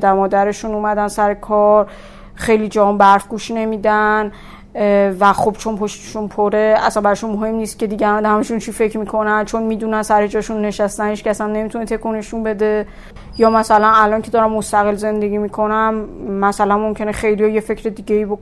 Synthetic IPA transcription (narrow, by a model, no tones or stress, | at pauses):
d̪æɾmɒːd̪æɾe̞ʃunuːmæd̪ænsæɾe̞kʰɒɾ | xe̞jlid͡ʒæɒnbæɾfɡ̥uʃne̞miːd̪æn | væχobt͡ʃʰo̞npʰo̞ʃt̪eʃunpʰoɾeæsænbæɾɔːʃunmoɦe̞mniːst̪̚ce̞d̪iːɟehæmæd̪hæmiʃunt͡ʃʰife̞cʰɾmikʰo̞nænt͡ʃʰonmiːd̪unænsæɾed͡ʒɒːʃunːe̞ʃæst̪ænhiʃkʲæsænːe̞mit̪ʰunet̪ʰe̞kʰuneʃunbe̞d̪e̞ | jɒːmæsælænælɒncʰed̪ɒːɾæmːost̪æɣelze̞nd̪eɟʲiːmiːkʰo̞næmːæsælænmomcʲʰe̞nexejlijɒjefe̞cʰɾed̪iːɡɟeiːbo